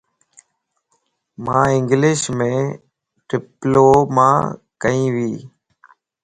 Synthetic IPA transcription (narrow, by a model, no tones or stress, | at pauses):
mãːɪ̃ŋɡlɪʃmẽː | ʈɪploːmã̰ːkəĩːʋiː